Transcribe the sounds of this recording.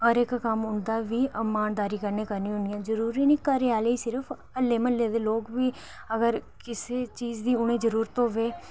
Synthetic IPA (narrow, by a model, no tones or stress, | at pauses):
əɾɪkkəmʊnd̪aːʋiːmaːnd̪aːɾiːkəɾneːkəɾnĩːɦʊnd̪ijãːzəɾuːɾiːniːkəɾeaːleiːsɪɾəfʰ | əlːeːməleːd̪eːloːkʋiː | əɡəɾ | kɪseːt͡ʃiːd͡ʒd̪iːʊɽ̃eːd͡ʒəɾuːɾət̪oːʋeː